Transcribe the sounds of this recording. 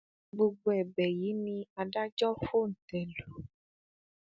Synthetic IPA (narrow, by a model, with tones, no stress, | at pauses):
ɡ͡bo˧ɡ͡bo˦ɛ˨bɛ˨ji˨˦nĩ˧a˧da˦d͡ʒɔ˦fo˦˨n̩˨tɛ˨lo˨